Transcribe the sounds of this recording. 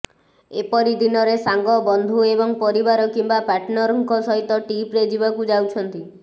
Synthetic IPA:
epɔɾid̪inɔɾesaŋɡɔbɔnd̪ʱuebɔŋpɔɾibaɾɔkimbapaʈnɔɾɔŋkɔsɔɦit̪ɔʈipɾed͡ʒibakud͡ʒawt͡ʃʰɔnt̪i

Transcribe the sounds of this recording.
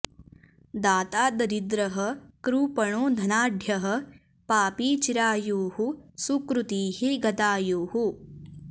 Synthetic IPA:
d̪aːt̪aːd̪ɐɾid̪ɾɐɦɐkɾuːpɐɳoːd̪ʱɐnaːɖʱjɐɦɐ̆ | paːpiːt͡ʃiɾaːjoːhusukɾut̪iːɦiɡɐt̪aːjoːhu

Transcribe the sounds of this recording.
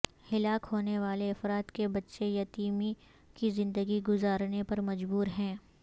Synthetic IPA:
hɪlaːkɦoːneʋaːleɐfɾaːt̪kebɐtːʃejɐt̪iːmi | kizɪ̃nd̪əɡiɡʊzaːɾnepɐɾmɐd͡ʒbuːɾɦɛ̃ː

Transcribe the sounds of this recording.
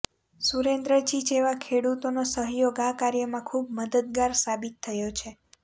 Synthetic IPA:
suɾend̪ɾəd͡ʒid͡ʒeʋakʰeɽut̪onosəɦjoɡãkaɾjəmãkʰub̚məd̪əd̪̚ɡaɾsabit̪ʰːəjot͡ʃʰe

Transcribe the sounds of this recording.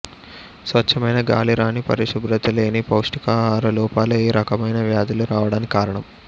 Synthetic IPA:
sʋɐt͡ʃːɐmɐjnɐɡa̰ːliɾaːnipɐ̰ɾiʂɐbɾɐt̪ɐleːnipɐwʂʈikaːɾɐluːpaːlueːɾɐkɐmɐjnɐʋjaːd̪ɐluɾaːʋɐɽaːnikaːɾɐɳɐm

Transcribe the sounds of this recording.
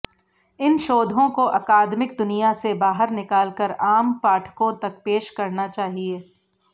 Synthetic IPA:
ɪnʃoːd̪ʱõkoʔɐkaːd̪mɪkd̪ʊnijasebaːɦəɾnɪkaːlkəɾaːmpaːʈʰkõt̪ɐk̚peːʃkɐɾnat͡ʃaːɦieː

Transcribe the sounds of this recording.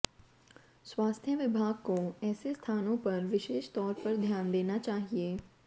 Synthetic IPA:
swaːst̪ʰjəʋɪbʱaːɡ̚koɛːsest̪ʰaːnõpɐɾʋɪʃeːʃt̪ɔːɾpɐɾd̪ʱjaːnd̪eːnat͡ʃaːɦieː

